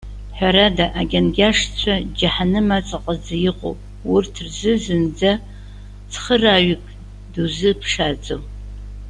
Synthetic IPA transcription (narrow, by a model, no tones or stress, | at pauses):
ħʷɔɾɐdɐʔaɡʲɐnɡʲaːʂt͡ɕʷʰɐd͡ʒɐħanɨmɐt͡sʼɨqʼəzɨjɪqʷʼo̰w | wʊrtʰɨrzɨzɨnd͡zɐ | t͡sʰχəraːɥʷɪkʼ | duzɨpʰʂaːt͡sʼɨw